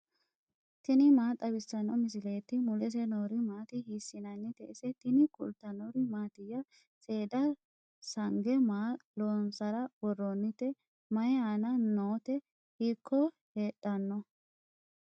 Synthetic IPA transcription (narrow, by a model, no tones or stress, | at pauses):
t̪ɪnɪmaːt̪ʼɐbɪsːɐnːɔmɪs̬ɪleːt̪ːɪmʊlɛs̬ɛnoːɾɪmaːt̪ɪhiːsːɪnɐnːɪt̪ɛʔɛsɛt̪ɪnɪkʊ̰lt̪ːɐnoːɾɪmaːt̪ɪjːɐ | sʼe̞ːd̪ɐ | sɐŋɡɛmaːloːnsɐɾɐwɔrːonːɪt̪ːɛ | mɐjɛaːnɐnoːt̪ɛ | hikʰːɔ | heːɗːɐnːɔ